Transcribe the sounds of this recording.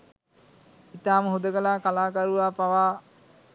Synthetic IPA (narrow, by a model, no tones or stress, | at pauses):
it̪aːməɦud̪əkəlaːkalaːkaɾuʋaːpaʋaː